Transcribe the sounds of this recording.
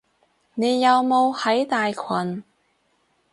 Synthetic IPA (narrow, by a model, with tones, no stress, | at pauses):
ne˨˧jːɐ˨˧wmo˨˧whɐ˨˥jt̪aː˨jkʰɐ˨˩n